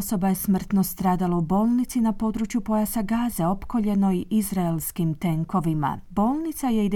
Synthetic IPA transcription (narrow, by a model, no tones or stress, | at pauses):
so̞bajesmr̩t̪no̞st̪ɾaːd̪alaubo̞ːlˠnit̪sinapo̞d̪ɾut͡ʃjupo̞jasaɡaːzeo̞pko̞ʎe̞no̞iʔizɾaelskimt̪e̞ŋko̞ʋima̰bo̞ːlˠnit̪saje̞id̪